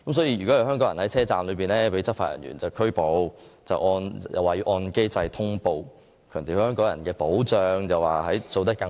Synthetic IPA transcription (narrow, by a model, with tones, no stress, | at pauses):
kɐ˨˦msɔː˨˥ji˧jy˨˩kɔ˨˥jɐ˨˧wɦœː˥ŋkɔː˥jɐ˨˩nhɐ˨˥jt͡sʰɛː˥t͡saː˨mlɵ˨˧ɥp̬iː˨˩nɛː˥pe˨˥jt͡sɐ˥faː˧˩jɐ̰˨˩njy̰˨˩nt͡sɐ˨wkʰɵ˥ɥpo˨˧wt͡sɐ̰˨wʔɔː˧njɐ̰˨waː˨jyː˧˥ʔɔː˧nke˥jt͡sɐ˧jt̪ʰʊ˥ŋpo˨w | kʰœː˨˩ŋt̪e˨˩hœː˥ŋkɔː˨˥ŋjɐ˨˩nkɛː˧po˨˥wt͡sœː˨˧ŋjɐ˨waː˨˩ɦɐ˨˥jt͡so˧wt̪̬ɐ˥t̚kːɐ˧